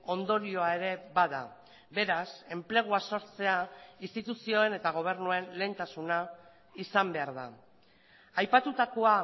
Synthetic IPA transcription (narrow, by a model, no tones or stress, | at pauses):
o̞nd̪o̞ɾio̞ae̞ɾe̞baða̰ | be̞ɾase̞mple̞ɣ̞uaso̞ɾt͡se̞ainst̪it̪usio̞e̞ne̞t̪aɣ̞o̞β̞e̞ɾnue̞nle̞ːnt̪asuna | isambe̞aɾða̰ | ajpat̪ut̪ako̞a